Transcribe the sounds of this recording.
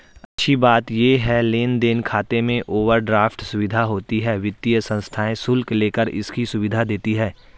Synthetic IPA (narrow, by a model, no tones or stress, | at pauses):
ɐtːʃʰibaːt̪jeːɦɛleːnd̪eːnkʰaːt̪emẽʔoːʋəɾɖɾaːfʈsʊʋɪd̪ʱaɦoːt̪iɦɛːʋɪt̪ːijəsə̃nst̪ʰaːẽsʊlkleːkəɾɪ̰skisʊʋɪd̪ʱad̪eːt̪iɦɛː